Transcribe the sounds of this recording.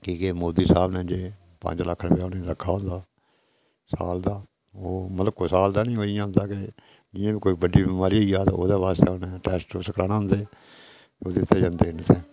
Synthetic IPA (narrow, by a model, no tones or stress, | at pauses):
kiːkeːmoːd̪iːsaːbnẽːd͡ʒeː | pə̰̃ɲd͡ʒləkʰːɾəpjaːoːneːɾəkʰːaːɦõːnd̪aː | sa̰ːld̪aː | oːmət̪ləbkoːsaːld̪aːnĩːoːijãːɦnd̪aːke | d͡ʒnɪjãːbiːkoːiːbəɖiːbimaːɾiːoiːaːt̪ːo̰ːd̪eːʋaːst̪eːonẽːʈɛːsʈosəkɾaːnaːɦʊnd̪eː | oːd̪ɪt̪ːeːd͡ʒãːnd̪eːnsɛ̃ː